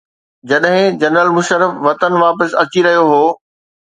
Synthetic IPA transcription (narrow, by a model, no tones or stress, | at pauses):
d͡ʑɐɗɦɪ̃d͡ʑɐnəlmʊʃəɾəfʋɐt̪ənʋaːpəsɐt͡ɕiɾɐɦijoɦoː